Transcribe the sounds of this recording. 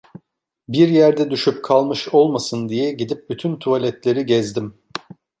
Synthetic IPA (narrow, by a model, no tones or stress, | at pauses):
biɾjæɾd̪ɛd̪yʃyp̚kʰalˠmɯʃo̞lˠmasɯnd̪ijɛɟid̪ip̚byt̪ʰynt̪ʰualʲɛt̪lʲe̞ɾiɟɛzd̪im